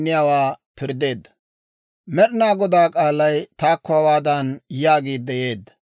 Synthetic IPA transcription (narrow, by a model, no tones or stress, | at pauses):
nːɪjaːwaːpɪɾd̪e̞ːd̪ːɐ̥ | mɛɗɪnaːɡɔd̪aːkʼaːlːɐjt̪aːkːɔɐwaːd̪aːnjaːɡiːd̪ːɛje̞ːd̪ːɐ̥